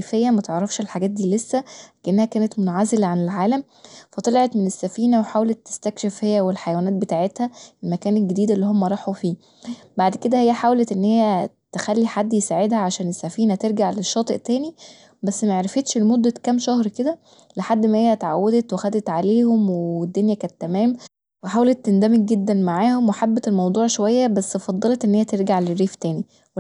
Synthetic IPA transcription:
fejːæmæt̪eʕɾˤːɑfʃelħaɡæːt̪̚d̪iːlesːækæʔenːæhækæːnet̪mot̪ʕazelæʕanelʕaːlæm | fæt̪ˤɑlɑʕet̪menesːæfiːnæweħaːwlet̪ːe̥st̪ækʃefhejːæwelħajæwænæːt̪̚bet̪aːʕet̪hæelmækæːnelɡed̪iːd̪elːiːhomːæɾˤɑːħufiː | baʕd̪ked̪æhejːæħaːwlet̪ʔenːhejːæ | t̪exælːiħad̪ːjesaːʕed̪hæʕaʃæːnesːæfiːnæt̪eɾɡaʕleʃːɑːt̪ˤeʔt̪æːni | bæsːmæʕɾefet̪ʃlemod̪ːækæmʃɑhɾked̪æ | leħad̪ːmæhejːæt̪ʕawːæd̪et̪wexæd̪et̪ʕaleːhomweed̪ːonjækæːnt̪ːæmæːm | weħaːwælet̪ːend̪æmek̚ɡed̪ːænmaʕaːhomweħabːet̪elmɑwd̪ˤuːʕʃowæjːæbæsːfɑd̪ˤːɑlet̪ʔenːhejæt̪eɾɡaʕlerːiːft̪æːni | we

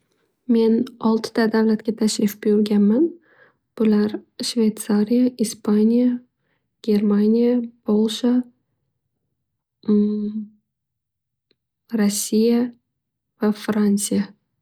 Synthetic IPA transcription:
me̞nɒlˠt̪ʰd̪ad̪avlat̪̚ɡʲat̪ʰaʃɾɪfbɪjʊɾɡʲanman | b̥ʊlaɾʃve̞jt̪saɾijaispʰanʲija | ɡ̥ʲe̞ɾmanʲijab̥olˠʃa | ɾasʲːija | vafɾansɨja

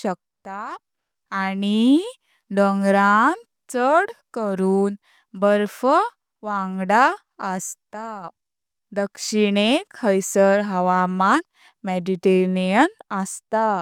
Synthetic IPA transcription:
ɕək̚t̪aː | ɽi | d̪əŋɡɾan | t͡səɽkəɾuːn | bəɾfə | ʋãŋɡɽa | əst̪a | d̪əkʂiɽekʰəjsəɾɦəʋaman | meɖiʈeɾnijənəst̪a

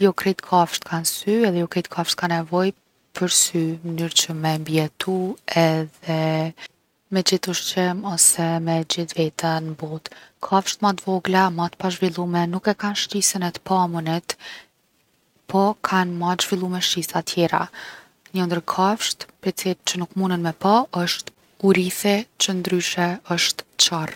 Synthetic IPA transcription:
jɔkɾit̪kʰafʃt̪kʰansyɛðɛjɔkɾit̪kʰafʃt̪kanɛvɔj | pʰəɾsymənyɾt͡ɕəmɛmbiɛt̪ʰuɛðɛ | mɛd͡ʑiθuʃt͡ɕɛmɔsɛmɛd͡ʑiθvɛt̪ənbɔt̪kʰafʃt̪mat̪vɔɡlamat̪paʒvilˠumɛnukɛkanʃt͡ɕisənɛt̪pamunɛt̪ | pʰɔkʰanmaʒvilˠumɛʃisat̪ʰjɛɾa̰ | ɲənd̪əɾkʰafʃt̪pɛt͡silt͡ɕənukmunənmɛpaəʃt̪ | uɾiθɛt͡ɕənd̪ɾyʃɛəʃt̪t͡ɕar

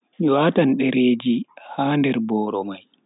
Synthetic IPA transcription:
waːtanɗɛɾeːd͡ʒihaːndɛɾbɔːɾɔmaj

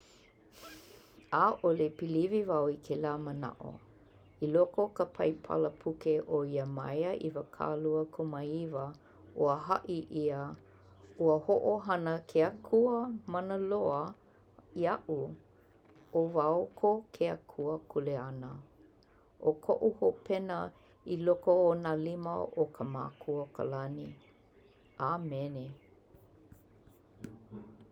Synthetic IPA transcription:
aʔolepilivivawikʰelaːməna̰ʔo̰ | ilokokəpʰɐ̰jpʰɐ̰ləpʰukeʔoiəmɐ̰jəʔḭvəkʰa̰ːluəkʰomaivə | ʔoəɦɐʔiʔiə | uəhoʔoɦɐnəkʰeəkʰuəmɐnəloə | iɐʔu | ovaokʰokʰeəkʰuəkʰuleɐnə | ʔokʰoʔuhopʰɛnə | ilokoonaliməokʰəma̰ːkʰuəkʰə̰lɐni | ʔamɛne

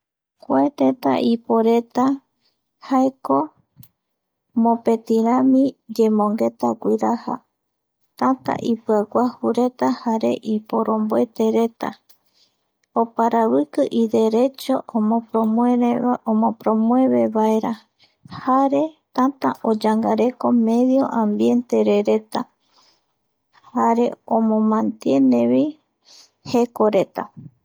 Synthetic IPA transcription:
kʷaet̪ẽ̞t̪a̰ʔipoɾe̞t̪a | haeko̞ | mõ̞pe̞t̪iɾãmĩd͡ʒe̞mõ̞ŋɡe̞t̪akʷiɾaha̰ | t̪ãt̪a̰ʔipɨakʷahuɾe̞t̪ahaɾe̞̰ʔipo̞ɾõ̞mboet̪e̞ɾe̞t̪a̰ | opaɾaβɨkɨʔid̪e̞ɾe̞t͡ʃo̞ʔomopɾoeomõpɾo̞mwe̞βe̞βaeɾa | haɾe̞t̪at̪aʔod͡ʒaŋɡaɾe̞ko̞me̞ðjo̞ʔãmbje̞nt̪e̞ɾeɾe̞t̪a | haɾe̞õmõ̞mãnt̪je̞nẽβi | he̞ko̞ɾe̞t̪a̰

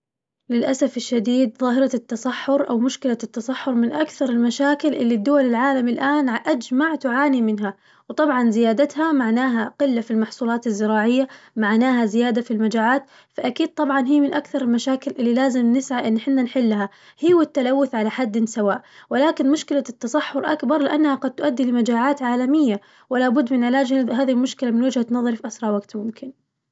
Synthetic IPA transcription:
lɪlʔasafɪʃːad̪iːd̪ðˤɑːɦɪɾɑt̪ːɑsˤɑħːʊɾʔawmʊʃkɪlat̪ːɑsˤɑħːʊɾˤmɪnʔakθɑɾˤɪlmaʃaːkɪlʔɪlːid̪ːʊwalɪlʕaːlamɪlʔaːnʕʔad͡ʒmaʕt̪ʊʕaːnimɪnɦa | wt̪ˤɑbʕɑnzɪjaːd̪at̪hamaʕnaːɦaqɪlːafilmɑħsˤuːlɑːt̪ɪzːɪɾɑːʕɪjːamaʕnaːɦazɪjaːd̪afilmad͡ʒaːʕaːt̪ | faʔakiːd̪̚t̪ˤɑbʕɑnɦiːmɪnʔakθɑɾˤɪlmaʃaːkɪlʔɪlːilaːzɪmnɪsʕaʔɪnːħɪnːanħɪlːɦa | hiːwɪt̪ːalawːʊθʕalaħad̪ːɪnsawaːʔwɪlaːkɪnmʊʃkɪlat̪ːɑsˤɑħːʊɾʔa̰kbɑɾˤlɪʔanːahaɡɑd̪̚t̪ʊʔad̪ːilɪmad͡ʒaːʕaːt̪ʕaːlamɪjːa | wɪlaːbʊd̪ːmɪnʕɪlaːd͡ʒhhaːðiɪlmʊʃkɪlamɪnwɪd͡ʒhanɑðˤɑɾˤfiʔasɾˤɑʕwaɡt̪mʊmkʰɪn

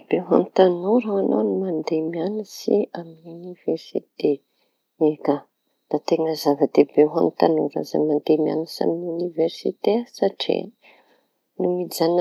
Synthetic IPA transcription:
b̥eɦa̰mt̪anuɾaanʔownimand̪emianisiamuniveɾsit̪e | eka | d̪̥at̪eŋəzavəd̪ebeɦa̰mit̪anuɾa̰za̰mand̪emia̰nisa̰minuniveɾsḭt̪esaʈ͡ʂḛ | numid͡zan

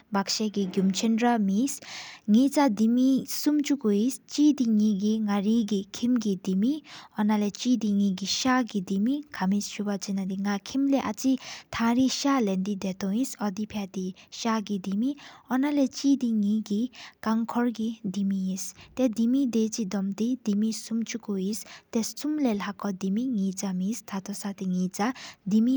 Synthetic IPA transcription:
bakʃeɡiɡjumt͡ʃʰinɾamisŋit͡sad̪imisumt͡ʃukoist͡ʃid̪iŋiɡiŋaɾiɡikʰimɡid̪imiɔnalet͡ʃid̪iŋiɡiʃaɡid̪imikʰamisʃubat͡sinad̪iŋakʰimleʔat͡sit̪ʰãɾiʃalend̪id̪et̪oĩsʌd̪ipʰjat̪iʃaɡid̪imiɔnalet͡sid̪iŋĩɡikaŋkʰɔrɡid̪imiĩst̪ed̪imid̪et͡sid̪ʌmt̪id̪imisumt͡ʃukuist̪est͡sumlelakɔd̪imiŋĩt͡samist̪ʰat̪osat̪iŋĩt͡sad̪imi

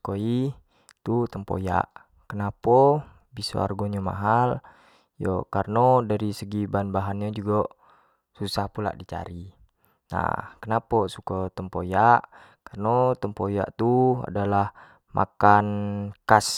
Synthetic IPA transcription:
koi | t̪ut̪əmpo̰ja̰ʔ | kənapɔ | biso̰a̰rɡoɲama̰ɦal | jɔkarnodaɾisəɡibanbaɦanɲad͡ʒuɡa | susahpula̰ʔdit͡ʃa̰ɾi | na̰hkənapɔsukɔt̪əmpojaʔ | karnot̪əmpoja̰ʔt̪ua̰dalah | mʔa̰kankas

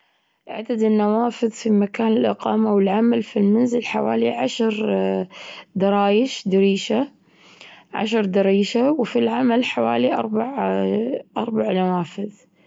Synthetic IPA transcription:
ʔʕa̰d̪ad̪ɪnːawaːfɪðfimakaːnɪlʔɪqɑːmawɪlʕamalfilmanzɪlħawa̰ːliʕaʃɾ | d̪ɑɾˤɑːjɪʃd̪ɪɾiːʃa | ʕa̰ʃ̬ɾˤd̪ɑɾiːʃawfilʕamalħawa̰ːliʔɑ̰ɾˤbaʕ | ʔɑɾˤbaʕnawaːfɪð

